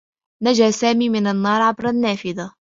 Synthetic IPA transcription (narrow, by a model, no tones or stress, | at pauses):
nad͡ʒaːsaːmiːmɪnanːɑːɾˤʕɑbɾˤanːaːfɪða